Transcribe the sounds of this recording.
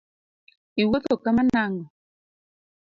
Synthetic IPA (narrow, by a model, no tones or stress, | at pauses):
iwot̪okamanaŋɔ